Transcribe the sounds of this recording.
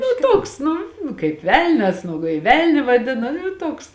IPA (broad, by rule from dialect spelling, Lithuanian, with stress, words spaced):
nʊ ˈtoːks ˈnʊ kɐɪp ˈʋʲɛlʲnʲɛs nʊ kɐɪ ˈʋʲɛlʲnʲʊ ʋɐˈdʲɪnɐ nʊ ˈtoːks